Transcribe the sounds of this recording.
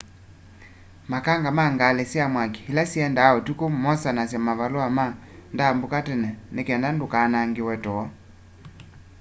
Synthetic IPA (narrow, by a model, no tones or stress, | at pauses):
makaŋɡamaŋɡalɛsjamwake̥hilasiɛndaɔtukom̩mɔsanasjamavaloama | ndambukatɛnɛnekɛndandokanaŋɡewɛtɔɔ